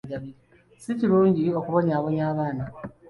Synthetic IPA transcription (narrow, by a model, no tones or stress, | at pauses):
ɟaβi | siciɾuːɲɟio̞kuβo̞ɲaːβo̞ɲaːβaːna